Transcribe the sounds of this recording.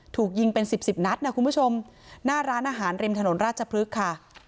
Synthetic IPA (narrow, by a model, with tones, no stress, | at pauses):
t̪ʰuː˨˩k̚ji˧ŋpe˧nsi˨˩p̚si˨˩p̚na˦˥t̪̚ka˥˩kʰu˧nbu˥˩t͡ɕʰo˧mnaː˥˩ɾaː˦˥nʔaː˧ɦaː˩˦nɾe˧mt̪ʰa˧no˩˦nɾaː˥˩t̪̚t͡ɕʰa˧pʰɾɯ˦˥kʰːa˥˩